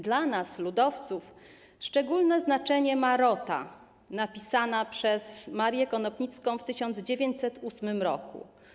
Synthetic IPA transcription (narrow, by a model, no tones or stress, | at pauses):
d̪lanaslud̪ɔft̪suf | ʂt͡ʂɛɡulnɛznat͡ʂɛɲɛmaɾɔt̪a̰ | napʲisanapʂɛsmaɾjɛkɔnɔpɲit̪skɔ̃w̃ft̪ɘɕɔnd̪zd͡ʑevʲjeɲt͡ɕsɛt̪usmɘmɾɔkṵ